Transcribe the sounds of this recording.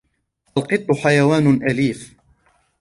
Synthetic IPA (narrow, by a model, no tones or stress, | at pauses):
ʔalqɨt̪ˤːʊħajawaːnʔaliːf